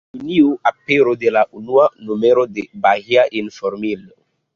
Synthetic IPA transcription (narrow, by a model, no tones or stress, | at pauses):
uniuʔapeɾod̪elaʔunuanumeɾodebaɣiaʔinfoɾmilo̰